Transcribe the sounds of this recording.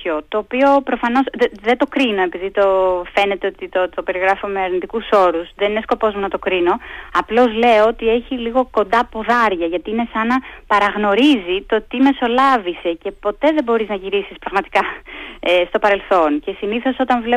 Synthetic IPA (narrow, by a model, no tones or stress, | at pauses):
ot̪o̞ːpio̞pɾo̞fɐno̞sððet̪o̞kɾino̞e̞piðit̪o̞fe̞ne̞t̪e̞o̞t̪it̪ot̪o̞pe̞ɾiɣɾɐfomeɐɾnit̪ikuso̞ɾuzðenine̞sko̞po̞zmunɐt̪o̞kɾino̞ɐplo̞zle̞oot̪ie̞çiliɣo̞ko̞nd̪ɐpoðɐɾʝɐʝɐt̪iine̞sɐnɐpɐɾɐɣno̞ɾizit̪o̞t̪ime̞so̞lɐvise̞ce̞po̞t̪e̞ðe̞bo̞ɾiznɐʝiɾisispɾɐɣmɐt̪i̥kɐest̪o̞pɐɾe̞lθo̞nce̞siniθo̞so̞t̪ɐnvle